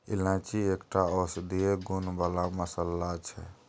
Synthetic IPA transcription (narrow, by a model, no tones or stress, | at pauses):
ḭlãt͡ʃiekʈaɔsd̪ieɡunbalaməsəlːat͡ʃʰɛ̰